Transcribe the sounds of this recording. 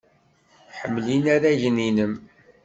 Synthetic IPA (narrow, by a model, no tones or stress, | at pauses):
ħəmːlinæɾæʝninəm